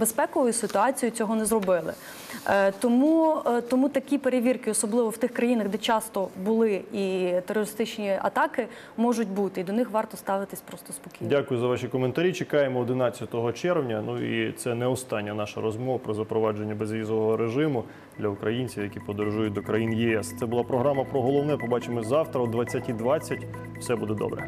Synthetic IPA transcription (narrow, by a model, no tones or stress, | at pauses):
bespɛkɔʋɔjʊsɪt̪ʊɑt͡sʲijʊt͡sʲɔɦɔnɛzɾɔbɪlˠɪ̰ | t̪ɔmut̪ɔmut̪ɐkʲipeɾeʋʲirkɪɔsɔblˠɪʋɔwt̪ɪxkɾɐjinɐɣd̪ɛt͡ʃɑst̪ɔbʊlˠɪit̪erːɔɾɪst̪ɪt͡ʃnʲiɐ̰t̪ɑkɪ | mɔʒʊt̚ʲbut̪ɪid̪ɔnɪxʋɑrt̪ɔst̪ɑʋɪt̪ɪsʲpɾɔst̪ɔspɔkʲindʲakʊjʊzɐʋɑʃikɔment̪ɐɾʲit͡ʃekɑjemɔːd̪ɪnɑt͡sʲːɐt̪ɔɦɔt͡ʃɛrwnʲɐnuḭt̪sɛnɛɔst̪ɑnʲːɐnɑʃɐɾɔzmɔʋɐpɾɔzɐpɾɔʋɑd͡ʒenʲːɐbezʋʲizɔʋɔɦɔɾeʒɪmʊ | d̪lʲɐukɾɐjinʲt͡sʲiwjɐkʲipɔd̪ɔɾʒujʊt̚ʲd̪ɔkɾɐjinjiɛst̪sɛbʊlˠɑpɾɔɦɾɑmɐpɾɔɦɔlˠɔwnɛpɔbɑt͡ʃɪmɔzɑwt̪ɾɐɔd̪ʋɐt͡sʲːɐtʲid̪ʋɑt͡sʲːɐtʲ | w̥sɛbud̪ɛd̪ɔ̰bɾɛ̰